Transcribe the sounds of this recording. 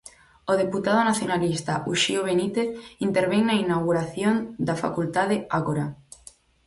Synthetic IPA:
oðeput̪að̞onaθjonalist̪aʔuʃioβ̞enit̪eθint̪eɾβ̞eŋnainawɣuɾaθjond̪afa̰kult̪aðeaɣoɾa

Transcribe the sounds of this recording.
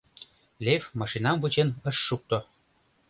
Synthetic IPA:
lʲevmɑʃinɑmvut͡ɕenə̆ʃːuk̚t̪o

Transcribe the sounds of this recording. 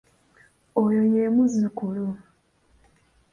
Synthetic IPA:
ojojemuzikulu

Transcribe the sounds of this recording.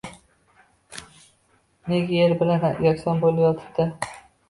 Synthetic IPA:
neɡʲajeɾbɪlana̰jɒksɒnbolajɒt̪ʰɪ̥bd̪̥ɪ

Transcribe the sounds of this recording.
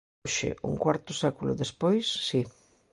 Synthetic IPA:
ʃɪ̰ṵŋkwaɾt̪ʊsakulʊ̰ðespojsːi

